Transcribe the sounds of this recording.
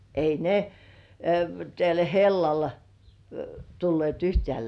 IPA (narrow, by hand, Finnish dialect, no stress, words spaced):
ei ne tæl helːɑl tulːieˑt yhtĕæˑ